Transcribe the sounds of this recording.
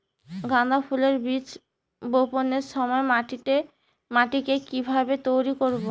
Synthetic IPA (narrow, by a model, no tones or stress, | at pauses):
ɡand̪ʱapʰuleɾbit͡ɕ | boponeɾʃɔmɔemaʈie | maʈikekibʱabet̪ojɾikoɾbo